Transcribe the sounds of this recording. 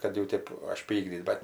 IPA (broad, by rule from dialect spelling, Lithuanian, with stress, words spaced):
kɐt jɛʊ ˈtʲeːp ɐʃʲˈpʲiːɡdʲiːt bʲɛt